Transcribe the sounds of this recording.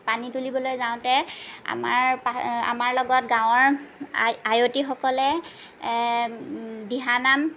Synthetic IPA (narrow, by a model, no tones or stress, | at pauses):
panitulibɔlojzaʊ̃tɛa̰maɹpaa̰maɹlɔɡɔt̚ɡãw̃ɔɹ | ajotixɔkɔlɛ | biɦanam